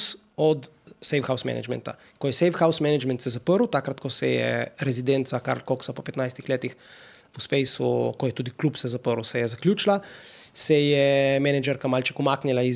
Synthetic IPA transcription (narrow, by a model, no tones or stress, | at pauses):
s | ɔt̪ | sejfxawsmɛ̰na̰d͡ʒmɛ̰nt̪a̰ | kɔjɛsejfxawsmɛnɛd͡ʒmɛ̃nt̪sɛzapəɾuwt̪akɾat̪kɔsɛjɛ̰ɾɛzid̪ɛnt̪saka̰ɾlkoksapɔpɛt̪najst̪ixleːt̪ix | uspejsṵkɔjɛt̪uːd̪iklupsɛzapəɾwsɛjɛzakljuːt͡ʃilasɛjɛmɛnɛd͡ʒɛɾkamalt͡ʃɛkumaːknilai